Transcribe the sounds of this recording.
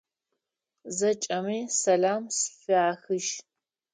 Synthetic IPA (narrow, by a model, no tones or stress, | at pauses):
zɐt͡ʃʼɐmiːsɐlaːmsfɨaːxɨʃ